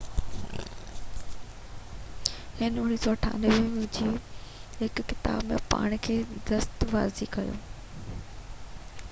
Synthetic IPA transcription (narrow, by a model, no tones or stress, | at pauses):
hɪnʊñisɔɐʈʰa̰ːnʋĩd͡ʑiːɦɪkːɪt̪a̰ːbmḛ̃pa̰ːɽ̃kʰeːd̪ɐst̪ʋa̰ːzikɐjõ̰ː